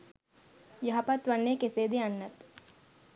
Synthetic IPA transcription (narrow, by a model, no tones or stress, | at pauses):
jɐɦɐpɐt̪ʋɐɳːeːkeseːd̪eɐnːɐt̪